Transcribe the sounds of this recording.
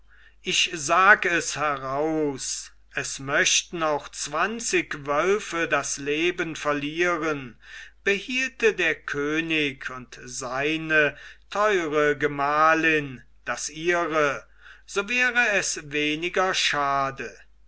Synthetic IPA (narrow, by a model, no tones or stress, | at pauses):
ʔɪçzaːɡɛshɛʁaʊs | ʔɛsmœʃtn̩aʊxt͡sv̥ant͡sɪkvœlfədasleːbənfɛɐliːʁənb̥əhiːltədeːɐkʰøːnɪkʰʊntz̥aɪnətʰɔʏʁəɡəmaːlɪn | d̥asʔiːʁə | z̥oːvɛːʁəɛsveːnɪɡɐʃaːdə